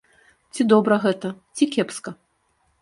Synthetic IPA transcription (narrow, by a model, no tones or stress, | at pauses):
t͡sʲid̪ɔbɾɐɣɛt̪ɐt͡sʲikʲɛpskɐ